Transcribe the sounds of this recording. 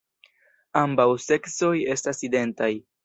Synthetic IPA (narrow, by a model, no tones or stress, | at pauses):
ambawse̞kso̞je̞staside̞ntaj